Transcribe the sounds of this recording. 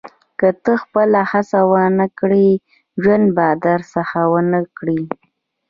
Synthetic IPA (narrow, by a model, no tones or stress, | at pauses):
kət̪əxpəlahasawanakɽi | ʒwand̪bɑd̪aɾsəxawənəkɽi